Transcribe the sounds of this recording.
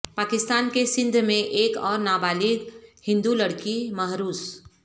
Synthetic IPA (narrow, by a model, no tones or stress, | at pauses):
paːkɪst̪aːnkesɪ̃nd̪ʱmẽʔeːkɔːɾnaːbaːliɡhɪ̃nd̪ulɐɽkiməɦɾuːs